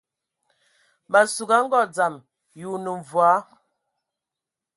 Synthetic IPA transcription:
ba˨su˨ɡa˨˦ŋ̩˦ɡɔ˦˨d͡za˨m | ju˨nə˨ɱ˨vwa˨˦

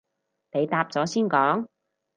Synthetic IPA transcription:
ne˨˧jt̪aː˧p̚t͡sɔː˨˥siː˥nkɔː˨˥ŋ

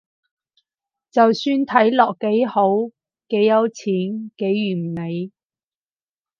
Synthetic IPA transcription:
t͡sɐ˨wsyː˧nt̪ʰɐ˨˥jlɔː˨k̚ːe˨˥jho˨˥w | ke˨˥jːɐ˨˧wt͡sʰiː˨˥nke˨˥jːyː˨˩m̩˨˩ne˨˧j

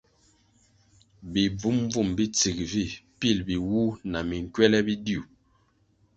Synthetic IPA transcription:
bi˨b͡vu˦m˦b͡vu˦˨mbi˦t͡si˨kvi˦˨pi˦˨lbi˨wu˦na˨mi˨ŋ˨kɥwɛ˦lɛ˦bi˦di˦u˨

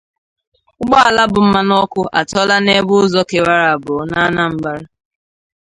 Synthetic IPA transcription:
ʊ˦ɡ͡bɔ˦a˨la˦bʊ˨m̩˦ma˦nɔ˦kʷʊ˦ʔa̰˨tɔ˦la˦ne˦bʊ˦ʊ˦zɔ˦ke˨wa˦ɾa˨a˨bʊ˨˦na˦na˦m̩˦ba˦ɾa˦

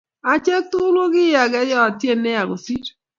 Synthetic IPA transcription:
a˨t͡ʃɛ˦tʊ˦lo˦ɣɪ˦ja˨ɡɛ˦jɔ˦a˨tje˦ne˦a˨ɣo˨si˦

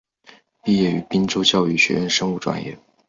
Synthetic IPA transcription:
pi˥˧jɛ˥˩y˧˥pi˥nʈ͡ʂo˥ʊt͡ɕjɑ˥˧ʊy˥˩ɕɥɛ̰˧˥ɻə˥˩nʂɤ˥ŋu˥˩ʈ͡ʂwa̰˨˩njɛ̰˥˩

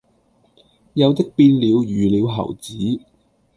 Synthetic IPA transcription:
jɐ˨˧wt̪ɪ˥k̚piː˧nliː˨˧wjyː˨˩liː˨˧wɦɐ̰˨˩wt͡siː˨˥

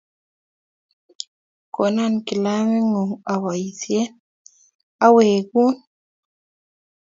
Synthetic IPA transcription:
ko˨na˦nki˨la˦mi˦ŋu˨ŋa˨wa˨ji˨se˦n | a˦we˨ɡu˦n

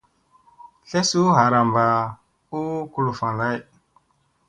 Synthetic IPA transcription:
ɬe˦su˦ɦa˨ɾa˨mba˨ | u˦ku˨lu˨fa˨la˦˨j

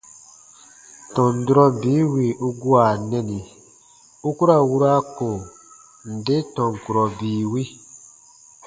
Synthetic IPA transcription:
tɔ̃˨n˨du˦ɾɔ˦biː˨˦wi˨u˦ɡu˦a˨nɛ˦ni˨ | u˦ku˦ɾa˦˨wu˦ɾa˦ko˨ | n̩˨de˦tɔ̃˨ŋ˨ku˨ɾɔ˨biː˨wi˦

